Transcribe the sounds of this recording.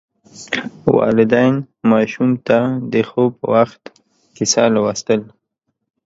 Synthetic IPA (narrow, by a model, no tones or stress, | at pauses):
wɑ̰lɪd̪ajn | mɑʃumt̪ad̪əxopə̰waxt̪ | kɪsɑlawast̪əl